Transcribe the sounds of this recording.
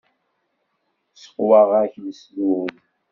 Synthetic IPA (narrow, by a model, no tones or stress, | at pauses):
sə̥qwɑʁæçləslun